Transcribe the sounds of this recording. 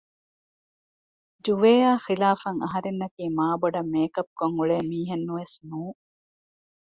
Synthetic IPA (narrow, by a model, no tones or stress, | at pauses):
d͡ʒuʋeːaːxilaːfɐŋɐɦɐɾenːɐkiːmaːboɖɐmːeːkɐb̚koŋuɭeːmiːɦenːuʋesnuː